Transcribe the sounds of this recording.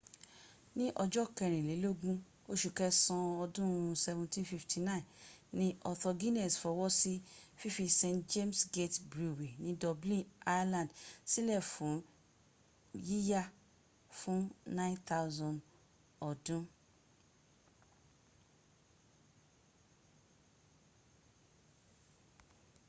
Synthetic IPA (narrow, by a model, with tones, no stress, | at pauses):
nĩ˦ʔɔ˧d͡ʒɔ˦kɛ˧˨ɾ̃ĩ˨le˨˦lo˦ɡũ˦ | o˦ʃu˨kɛ˦sɔ̃˧ɔ˧dũ˦sɛ˧vũ˧ntĩ˦fi˧ftʰi˧nã˦ĩ˨nĩ˦ɔ˧tɔ˧ɡi˦nɛ˨sfɔ˧wɔ˦si˦fi˦fi˧sẽ˧td͡ʒe˦msɡe˦tbɾu˨we˨nĩ˦dɔ˧blĩ˦a˦jlã˨dsi˦lɛ˦˨fũ˨ | ji˦ja˦ | fũ˦nã˦j̃nt̪a˦wzɔ̃˨n | ɔ˨dũ˦